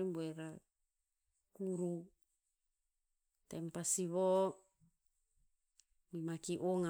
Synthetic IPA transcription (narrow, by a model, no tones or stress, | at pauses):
imbueɾa | kuɾu | t̪empasiβo | mimakiʔoŋa